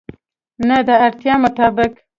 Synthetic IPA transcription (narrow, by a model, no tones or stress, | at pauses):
nəd̪əaɾt̪jɑmʊt̪ɑːbɪk